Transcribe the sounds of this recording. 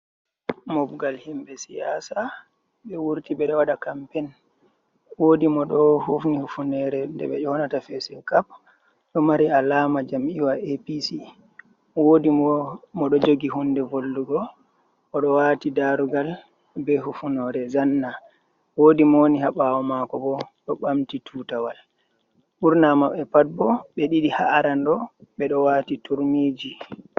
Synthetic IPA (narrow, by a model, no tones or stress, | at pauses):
mɔbɡalhimɓɛsijasa | ɓɛwuɾtiɓɛɗɔwaɗakampɛn | wodimɔɗɔhufnihufunɛɾɛndɛɓɛʔɔnatafɛsɛkap̚ | ɗɔmaɾialamad͡ʒamʔiwaepisi | wodimɔɗɔd͡ʒoɡiɦundɛvolːuɡɔ | ɔɗɔwatidaɾuɡal | bɛɦufunɔɾɛzanːa | woːdimɔniɦaɓawɔmakɔbɔɗɔɓamtitʰuːtawal | ɓuɾnamaɓɛpat̚bɔɓɛɗiɗiha̰ːɾandɔɓɛɗɔwaːtituɾmiːd͡ʒi